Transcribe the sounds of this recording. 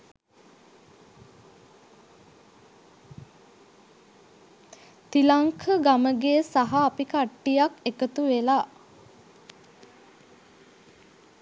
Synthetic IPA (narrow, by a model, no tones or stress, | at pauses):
t̪ilaŋkʰəɡaməɡeːsaɦaːpikaʈːijakekət̪uʋela